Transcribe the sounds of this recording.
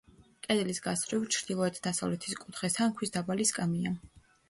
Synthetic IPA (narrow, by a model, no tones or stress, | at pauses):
kʼɛd̪ɛlisɡasɾivt͡ʃʰɾd̪ilˠɔɛt̪ʰd̪asavlɛt̪ʰiskʼut̪ʰχɛsankʰwisd̪abaliskʼamia